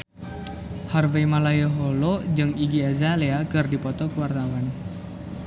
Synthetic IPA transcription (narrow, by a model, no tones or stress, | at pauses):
harvejmalajəɦolod͡ʒɨŋiɡiazaleakɨrdipɔt̪ɔkəwart̪awan